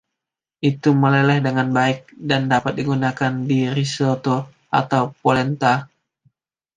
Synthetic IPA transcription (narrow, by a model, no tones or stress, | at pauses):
ʔit̪uməlelɛhdəŋanbaɪk̚dandapat̪̚diɡunakandiɾisot̪o | ʔa̰t̪awpolɛnt̪a